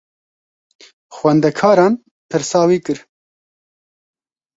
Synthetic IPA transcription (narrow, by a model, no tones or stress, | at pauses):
xwɛnd̪ɛkʰɑːɾɑːn | pʰɨɾsɑːwiːkɨɾ